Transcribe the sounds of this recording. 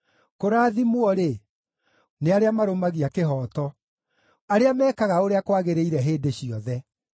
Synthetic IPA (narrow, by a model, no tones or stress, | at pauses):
koɾaːðimwɔɾe | neaɾeamaɾomaɣiakeɦɔːtɔ | aɾeamɛːkaɣaoɾeakwaɣeɾeiɾɛɦeːdeɕiɔðɛ